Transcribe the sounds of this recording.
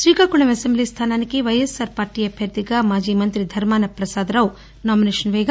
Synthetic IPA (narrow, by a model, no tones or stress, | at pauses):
ʃɾiːkakuɳɐʋɐsemblist̪ʰaːnaːnikiʋɐjɐsaɾpaːɾʈiːɐbʱjɐɾd̪iɡamaːd͡ʒiːmɐnt̪ɾid̪ʱɐɾmaːnɐpɾɐsaːd̪ɾɐw | naːmineːʂɐnʋeːɡa